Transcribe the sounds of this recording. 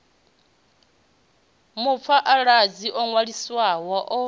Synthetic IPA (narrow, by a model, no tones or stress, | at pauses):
mʊp̪fʰaʔaɺad͡ziʔɔŋwaɺiswawaʔɔ